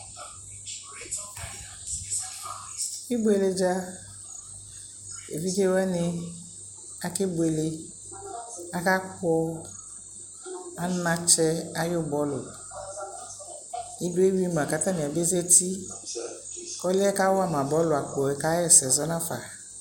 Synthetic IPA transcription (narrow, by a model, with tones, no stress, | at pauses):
i˦bʊ˦e˨le˨d͡ʒa˦ | ḛ˨vi˦ke˦wɛ˦nɪ˦ | a˦ke˦bo˨e˨le˦ | a˦ka˦kɔ˦ | a˦nã˨t͡ʃɛ˦a˦jʊ˦bɔ˦lʊ̰˨ | i˦do˦e˦wi˦m˨ã˨ka˨t̪ã˦nĩ˨a˨be˦zɛ˦ti˦ | kɔ˦lɪ˦ɛ˦ka˦wɔ˦a˦mã˨bɔ˨˦lʊ˨a˨kɔ˨ɛ˨ka˦jɛ˨sɛ˨zɔ˦nã˦fa̰˨